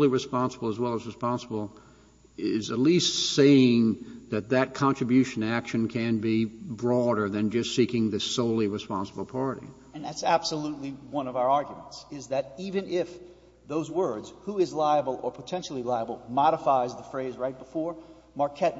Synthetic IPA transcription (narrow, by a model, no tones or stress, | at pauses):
lˠiɹɨspɑ̃nsəbl̩ˠəzwɛlˠəzɹɨspɑ̃nsəbl̩ˠ | ɪzɨtˡlistseɪɪ̃ŋðɨt̪̚ðɨt̚kʰɑ̃nt͡ʃɹ̥ɨbjʉʃɨ̃nækʃɨ̃nkʰɨ̃nbibɹɔɾə˞ðɨ̃nd͡ʒʌstsikɪ̃ŋðɨsoʊlˠiɹɨspɑ̃nsəbl̩ˠpʰɑɹɾḭ | ɨ̃nðætsæb̥səlutˡliwʌ̃nʌvaʊə˞ɑɹɡjmə̃n̩tsɪzðɨɾivɨ̃nʔɪf | ðoʊzwɜ˞dz̥huɪzlaɪəbl̩ˠə˞pʰətʰɛ̃nʃl̩ˠilaɪəbl̩ˠmɑɾəfaɪzðəfɹeɪzɹaɪt̚b̥əfɔɹ | mɑɹkʰɛt̚